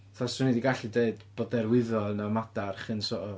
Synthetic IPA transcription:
θɔsunidiɡaɬideɨdb̥odɛrwɪðɔlˠnamad̥arχɨnsoɔ

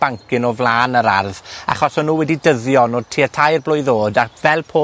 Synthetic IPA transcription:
b̥aŋkɪnɔvlˠaːnəɾarða̰χɔsɔnːuːwɛdidəðjɔnoːdtʰiətʰajrblˠʊːjðoːdavɛlˠpʰoː

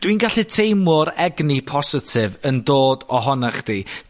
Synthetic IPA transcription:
d̥winɡaɬitʰejmʊɾɛɡnipʰɔsɪtʰɪvəndoːdɔɦɔnaχd̥i

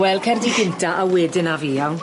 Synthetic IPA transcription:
wɛlˠkʰɛrdiɡɪntʰaʔawɛːdɪnaviːan

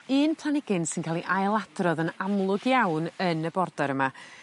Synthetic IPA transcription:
ɨːnpʰlˠanɪɡɪnsɪnkʰaːlˠiʔajlˠad̥rɔðənamlˠʊɡjawnənəbɔrdɔɾəma

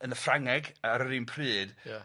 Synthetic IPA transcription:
ənəfraŋɛɡaɾəɾiːnpʰrɨːd̥ja

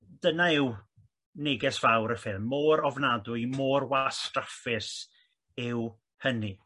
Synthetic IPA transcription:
d̥ənaɪw | nɪɡɛsv̥awɾəfɪlˠmːoːɾɔvnadʊɨmoːrwastrafɪs | ɪw | həni

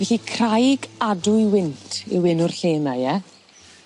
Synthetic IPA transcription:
vɛɬikʰrajɡadʊjwɪntʰḭwɪnʊrɬeːnajɛ

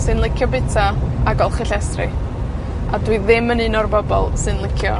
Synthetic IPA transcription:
sɨnlˠɪkʰjɔbɪtʰaaɡɔlˠχɪɬɛstrɪ̰ | adwɨðɪmənɨːnɔrbɔbɔ̰lˠsɨnlˠɪkʰjɔ

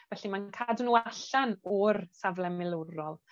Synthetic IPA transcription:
vɛɬimankʰadnuːaɬanɔrsavlˠɛmɪlˠəɾɔlˠ

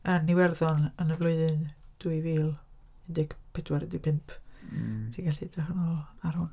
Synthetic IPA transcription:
ənːiwɛrðɔnənəvlˠʊɨðɨnd̥uɨviːlˠ | ɪndɪɡ̥pʰɪdwaɾdipʰɪmpʰ | tʰiɡaɬidaɦənɔːlˠaɾʊn

